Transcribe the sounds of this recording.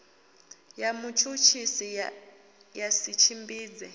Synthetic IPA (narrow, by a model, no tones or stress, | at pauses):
jamut͡ʃʰut͡ʃʰisi | jasit͡ʃʰimbiːd͡zɛ